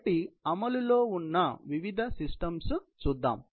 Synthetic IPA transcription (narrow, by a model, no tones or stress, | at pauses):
ʈiɐmɐluloːunːɐʋiʋid̪ʱɐsisʈɐmst͡ʃuːd̪ːa̰ːm